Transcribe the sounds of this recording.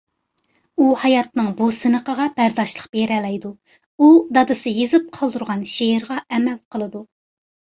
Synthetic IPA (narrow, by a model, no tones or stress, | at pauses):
uhɑjɑt̪̚nɨŋbusɨnəqəʁɑb̥æɾd̪ɑʃlˠəqb̥eɾɛlɛjd̪u | ud̪ɑd̪ɨsɨjezɨp̚qʰəlˠd̪uɾʁɑnʃeɪɾʁɑɛmɛlqʰəlˠɨd̪u